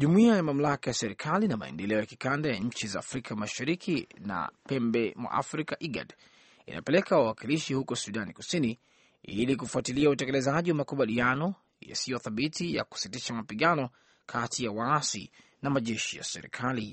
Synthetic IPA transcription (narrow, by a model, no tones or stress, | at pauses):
ʄumuiajamam̩lakajasɛɾikʰalinama̰ɛ̰ndɛlɛɔjakikandajaɲ̩t͡ʃizaːfɾikʰamaʃaɾikina̰pɛmbɛmwa̰ʔa̰fɾikaʔiɡa̰d | ḭnʔa̰pɛlɛkawawakiliʃihukɔsuɗaniku̥sini | ḭlikufuatiliautɛkɛlɛzaʄiwamakuɓalianɔ | ja̰sijɔθaɓitija̰ku̥sitiʃamapiɠanɔ | kʰatijawaasḭ | namaʄɛʃija̰sɛɾḭkʰali